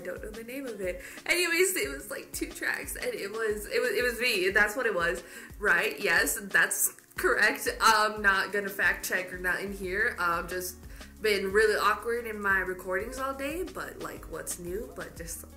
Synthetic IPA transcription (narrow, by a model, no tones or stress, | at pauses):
ɪdõʊ̃nʔõlˠɨnẽɪ̃mʌvɪt̚ | ʔɨ̃nɨweɪstt̚wʌzlaɪk̚tʰʉtʰɹ̥æ̰ksɨ̃nɪt̚wʌzɪt̚wʌzɪt̚wʌzmiðætswʌɾɨt̚wʌz̥ | ɹaɪʔjɛsðæts | kʰə˞ɛk̚tʌnət̚ɡ̥ʌnɨfæk̚t͡ʃʰɛkə˞nəɾɪ̃nɦiɹʌ̃vd͡ʒʌst̚b̥ɪ̃nɹɪlˠiʔɑkɹɨɾɨ̃nmaɪɹɨkʰɔɹɾɪ̃ŋzɔlˠdeɪb̥ʌ̰ʔ̚la̰ɪkʰwʌ̰tsnʉb̥ʌt̚d̥ʒ̥ʌst̚